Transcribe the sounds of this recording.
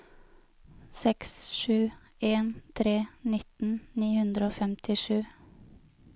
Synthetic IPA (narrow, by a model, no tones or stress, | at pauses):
sɛksʃʉː | eːnt̪ʰɾeːnɪt̪n̩niːhʉnd̪ɾəoːfɛmt̪ʰɪʃʉː